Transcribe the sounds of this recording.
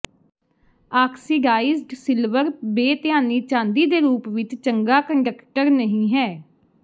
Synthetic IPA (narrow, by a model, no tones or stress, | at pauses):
aːksiːɖaːɪzɖsɪlʋəɾbeːt̪ɪjaːniːt͡ʃãːnd̪iːd̪eːɾuːpʋɪt͡ʃt͡ʃəŋɡaːkəɳɖəkʈəɾnəɦĩːɦɛː